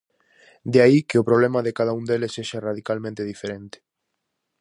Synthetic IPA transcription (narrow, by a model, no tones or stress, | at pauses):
d̪eaikeopɾoβ̞lemaðekað̞aũnd̪elesːeʃaraðikalmẽnt̪eðifeɾent̪e̥